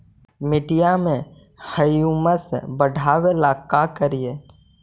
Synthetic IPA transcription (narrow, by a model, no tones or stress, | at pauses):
mɪɖijamẽ | həjuməsbəɽʱaːwelaːkːakəɾije